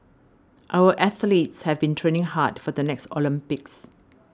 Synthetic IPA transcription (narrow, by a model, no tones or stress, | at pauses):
ʔaʊwəʔɛθlitshɛvbĩntʰɹẽnɪ̃ŋhatfɔd̪ənɛkstɔ̰lĩmpɪks